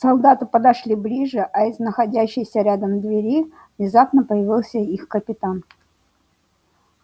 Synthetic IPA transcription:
sɐlˠd̪at̪ɨpəd̪ɐʂlʲiblʲiʐɨʔɐɪznəxɐdʲæɕːɪjsʲəɾʲad̪əmd̪vʲɪɾʲi | vnʲɪzapnəpəjɪvʲilˠsʲəixkəpʲɪt̪an

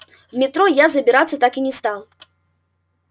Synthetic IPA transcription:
wmʲɛt̪ɾɔjazɐbʲɪɾat̪sːɐt̪akinʲɛst̪alˠ

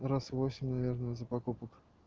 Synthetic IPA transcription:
rasvosʲɪmʲnavʲɛrnəjəzɐpakupək

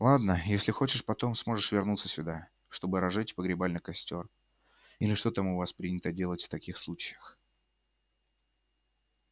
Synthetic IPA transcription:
lˠad̪nəjesʲlʲɪxo̞t͡ɕɪʂpɐt̪o̞msmo̞ʐɨʂvʲɪrnut̪səsʲʊd̪a | ʂt̪o̞bɨɾɐʐɨtʲpəɡɾʲɪbalʲnɨjkɐsʲtʲo̞r | ilʲɪʂt̪o̞t̪amʊvaspɾʲinʲɪt̪ədʲe̞lˠətʲft̪ɐkʲixslˠut͡ɕɪjəx

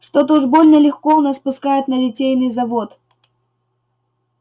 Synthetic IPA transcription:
ʂt̪ot̪oʐbolʲnəlʲɪxkoʊnaspʊskajɪt̪nəlʲɪtʲejnɨjzɐvot̪

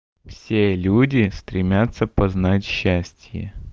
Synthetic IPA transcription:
fsʲelʲudʲɪst̪ɾʲɪmʲat̪sːəpɐznatʲɕːæsʲtʲjɪ̰

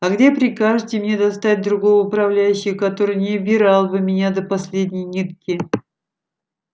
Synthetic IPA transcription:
ɐɡdʲe̞pɾʲɪkaʐɨtʲɪmnʲe̞d̪ɐst̪at̚ʲd̪ɾʊɡo̞vəʊpɾɐvlʲæjʉɕːɪxkɐt̪o̞ɾɨjnʲɪbʲɪɾalˠbɨmʲɪnʲad̪əpɐsʲlʲedʲnʲɪjnʲit̪̚kʲɪ

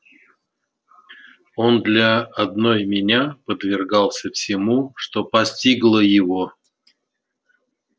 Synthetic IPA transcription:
o̞nd̪lʲəɐd̪no̞jmʲɪnʲapəd̪vʲɪrɡɑlˠsʲəfsʲɪmuʂt̪o̞pɐsʲtʲiɡlˠəjɪvo

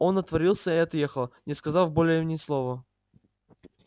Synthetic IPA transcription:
o̞nɐt̪vɐɾʲilˠsʲəɪɐt̪jexəlˠnʲɪskɐzafbolʲɪjimnʲɪslˠovə

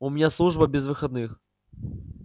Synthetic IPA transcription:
ʊmʲnʲaslˠuʐbɐbʲɪzvɨxɐd̪nɨx

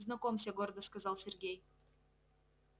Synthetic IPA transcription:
znɐkomsʲeɡord̪əskazɑlˠsʲerɡʲej

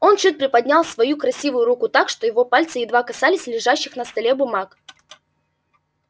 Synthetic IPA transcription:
o̞nt͡ɕɨt̪̚pɾʲɪpɐd̪ʲnʲalˠsvɐjukɾɐsʲivʊjʊɾukʊt̪akʂt̪o̞jɪvo̞palʲt̪sɨjɪd̪vakɐsalʲɪsʲlʲɪʐaɕːɪxnəst̪ɐlʲebʊmak

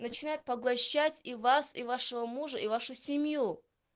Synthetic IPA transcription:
nət͡ɕɪnajʊt̪̚pɐɡlˠɐɕːatʲivasivaʂəvəmuʐəʔivaʂʊsʲɪmʲju

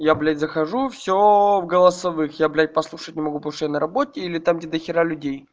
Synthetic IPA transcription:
jablʲætʲzəxɐʐufsʲovɡəlˠəsɐvɨxjablʲæt̚ʲpɐslˠuʂətʲnʲɪmɐɡup̪ˠʂjnəɾɐbotʲɪilʲɪt̪amdʲɪd̪əxʲɪɾalʲʉdʲej

